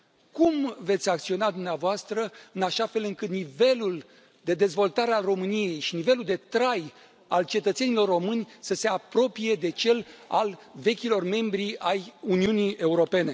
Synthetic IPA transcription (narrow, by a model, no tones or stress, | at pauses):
kumve̞t̪sʲak̚t̪sio̞nad̪umneavoast̪ɾəɨnaʃafe̞lɨŋkɨt̪nive̞lul | d̪e̞d̪e̞zvo̞lt̪aɾealro̞mɨnije̞jʃinive̞luld̪et̪ɾaj | alt͡ʃe̞t̪ət̪se̞nilo̞rːo̞mɨnʲsəse̞apɾo̞pije̞d̪e̞t͡ʃe̞la̰lve̞kʲilo̞rme̞mbɾiajuniunije̞uɾo̞pe̞ne̞